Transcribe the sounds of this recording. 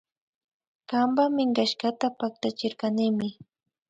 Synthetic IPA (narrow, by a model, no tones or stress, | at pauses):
kambamɪŋɢaʃɢat̪apak̚t̪at͡ʃɪɾkanɪmɪ